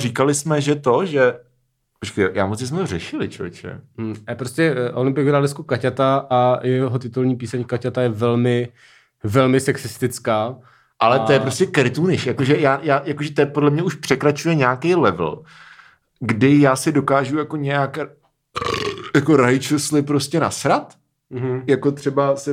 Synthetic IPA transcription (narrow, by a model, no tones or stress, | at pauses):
rikalɪsmɛʒɛt̪o̞ʒɛ | pot͡ʃkajojaːmot͡sɲɛs̬mɛt̪orɛʃɪlɪt͡ʃo̰t͡ʃɛ̰pɾostcɛʔolɪmpɪjɛɡɾaːdnɛskukacat̪aʔajɛɦot̪ɪt̪ulɲiːpiːsɛɲkacat̪ajɛvɛlmɪ | vɛlmɪsɛksɪst̪ɪt͡skaː | ʔalɛojɛpɾo̞scɛkɾɪt̪unɪʃjako̞ʒɛjaːjaːjakoʒɛt̪ɛpodlɛmɲɛʔuʃpr̥ɛkɾat͡ʃujɛɲaːkejlɛvl̩ | ɡdɪjaːsɪdo̞kaːʒujakoɲɛjak | jako̞ɾajt͡ʃuslɪpɾo̞scɛna̰sɾat̪ | ɦjako̞t̪r̝̥ɛbasɛ